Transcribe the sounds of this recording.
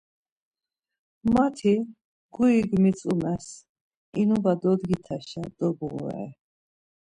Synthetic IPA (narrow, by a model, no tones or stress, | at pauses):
mat̪ʰi | ɡuiɡmit͡sʼumɛs | inubad̪ɔd̪ɡit̪ʰaʃad̪̥ɔbʁṵɛ̰